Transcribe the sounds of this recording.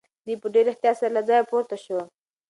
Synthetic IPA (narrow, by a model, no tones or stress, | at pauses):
d̪ujpəɖeɾɪht̪ijɑsaɾalad͡zɑjapoɾt̪aʃəwa